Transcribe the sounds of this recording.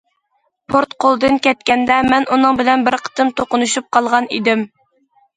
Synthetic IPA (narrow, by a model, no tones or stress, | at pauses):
pʰoɾt̪qʰolˠd̪ɨnkʲɛt̪kʲɛnd̪ɛmɛnunɨŋbɪlɛnbɪɾqʰə̥t̪ʰɨmt̪ʰoqʊnuʃup̚qʰɑlˠʁɑnḭd̪ɪm